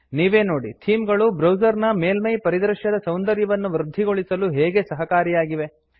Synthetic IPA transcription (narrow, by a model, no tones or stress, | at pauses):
niːʋe̞ːno̞ːɽit̪ʰiːmɡɐɭubɾɐwd͡ʒɐɾnɐmeːlmɐjpɐɾid̪ɾɐʃjɐd̪ɐsɐwnd̪ɐɾjɐʋɐnːuʋɾud̪ʱːiɡo̞ɭisɐluɦeːɡesɐɦɐkaːɾijaːɡiʋe̞